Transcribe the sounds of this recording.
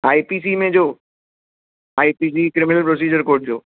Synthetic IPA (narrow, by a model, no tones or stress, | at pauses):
aːipiːs̬imẽd͡ʑoː | aːipiːs̬iːkɾɪmɪnəlpɾos̬iːd͡ʑəɾkoːɾʈ̚d͡ʑo̰ː